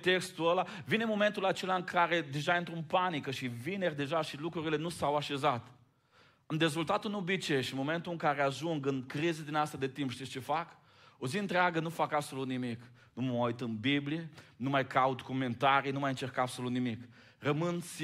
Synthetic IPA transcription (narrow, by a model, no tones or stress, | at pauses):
t̪ekst̪uəla | vinemo̞ment̪ulat͡ʃelaɨŋkʰaɾed̪e̞ʒaint̪ɾunpanikəʃivinerʲd̪e̞ʒaʃilukɾuɾile̞nusawaʃe̞zat̪ | ɨmd̪ezult̪at̪unobit͡ʃeʃimoment̪uɨŋkaɾeaʒuŋɡɨnkɾizəd̪inast̪ad̪e̞t̪impʃt̪ist͡ʃe̞fak | oziɨnt̪ɾeaɡənufakabsolut̪nimik | numəojt̪ɨnbiblijenumajkaut̪koment̪aɾijnumajɨnt͡ʃerkabsolut̪nimik | rəmɨns